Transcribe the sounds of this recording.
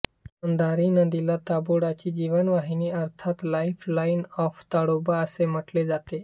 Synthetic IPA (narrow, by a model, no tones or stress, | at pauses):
ənd̪aɾiːnəd̪ilat̪aboɽat͡ɕiːd͡ʑiʋənʋaɦiniːəɾt̪ʰat̪laiflainɔft̪aɽobaəsem̤əʈled͡zat̪e